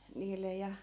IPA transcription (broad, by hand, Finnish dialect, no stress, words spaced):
niːle jɑ